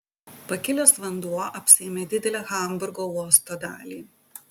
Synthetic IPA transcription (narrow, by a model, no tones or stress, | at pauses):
pɐkʲɪlʲoːsʋɐnd̪uɔʔɐpʲsʲɪeːmʲeːd̪ʲɪd̪ʲɛlʲɛːxɐˑmbʊɾɡoːuɔst̪oːd̪ɑːlʲiː